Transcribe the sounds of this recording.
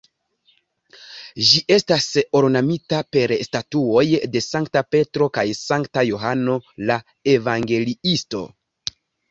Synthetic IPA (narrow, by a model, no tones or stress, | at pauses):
ʒiʔe̞staso̞ɾnamitape̞ɾstatuo̞jde̞saŋktape̞tɾokajsaŋktajo̞ɦano̞la | e̞vaŋɡe̞liisto̞̰